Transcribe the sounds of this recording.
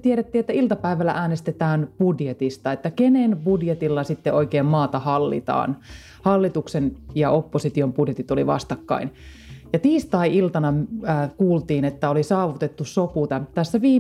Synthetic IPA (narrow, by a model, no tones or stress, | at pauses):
t̪ieɾet̪ːiːet̪ːæilt̪ɑpæiʋælːæ̰ʔæːnest̪et̪æːnpudjet̪ist̪ɑet̪ːækenenbudjet̪ilːɑsit̪ːeoikeːmmɑːt̪ɑhɑlːḭt̪ɑ̰ːn | hɑlːit̪uksenjɑopːosit̪iompudjet̪it̪oliʋɑ̰st̪ɑkːɑ̰in | jɑt̪iːst̪ɑiilt̪ɑnɑːkuːlt̪iːnet̪ːæolisɑːʋut̪et̪ːussoput̪ɑt̪æsːæʋiː